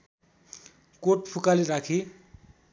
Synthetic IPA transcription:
koʈpʰukaliɾakʰi

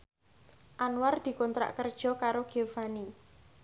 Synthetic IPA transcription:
ʔanward̪̥i̤kɔnt̪ɾa̰ʔkərd̥ʒ̥ɔ̤kaɾoɡ̥efani

